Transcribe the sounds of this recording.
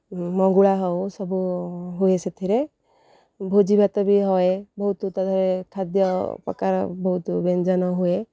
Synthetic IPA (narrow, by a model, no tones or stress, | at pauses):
mɔŋɡuɭaɦɔwsɔbʱuɦueset̪ʰiɾe | bʱod͡ʒibʱat̪ɔbʱiɦɔebɔɦut̪ut̪ɔd̪ʱɔɾekʰad̪jɔpɔ̰ka̰ɾbɔɦut̪ubend͡ʒɔnɔɦue